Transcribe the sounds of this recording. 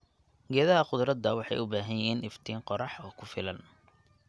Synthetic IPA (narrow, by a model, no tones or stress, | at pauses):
ɡɛːðɐɦɐqʊd̪ɾɐd̪ɐwɑħɑ̰jʊbaːɦɐjɪɦiːnɪft̪ʰiːŋqɔɾɑħɔːkʰʊfɪlɐn